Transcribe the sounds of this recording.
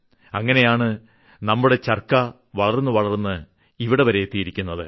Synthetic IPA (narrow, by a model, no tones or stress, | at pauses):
ɐŋːɐne̞jaːɳɨ | nɐmːuɽe̞t͡ɕɐrkɐ | ʋɐɭɐrnːɨʋɐɭɐrnːɨ | iʋiɽe̞ʋɐɾe̞jet̪ːijiɾikʲːunːɐðɨ̰